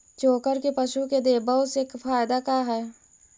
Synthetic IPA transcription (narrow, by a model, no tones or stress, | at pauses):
t͡ʃoːkəɾkepɐʃuked̪eːbəseːkfaːɪd̪akaɦɛː